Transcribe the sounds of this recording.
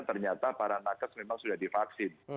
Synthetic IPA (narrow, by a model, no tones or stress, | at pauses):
t̪ərɲat̪apaɾanakəsmemaŋsudahdifaksɪn